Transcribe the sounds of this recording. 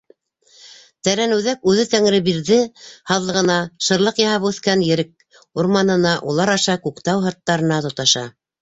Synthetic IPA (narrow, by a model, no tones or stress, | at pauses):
t̪æɾænɘ̆wðækʉðɘt̪æŋɾɘbiɾðɘhɑðlˠɤ̆ʁɤ̆nɑʃɤ̆ɾlˠɤqjɑhɑpʉθkænjɘ̆ɾɘk̚ | uɾmɑnɤ̆nɑʔulˠɑɾɑʃɑkukt̪ɑwɦɑt̪ːɑɾɤ̆nɑt̪ŏt̪ɑʃɑ̰